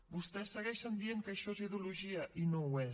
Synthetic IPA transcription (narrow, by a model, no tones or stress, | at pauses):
bust̪ɛsːəɣɛʃənd̪ieŋkəʃɔeziðiuluʒiəʔinowɛ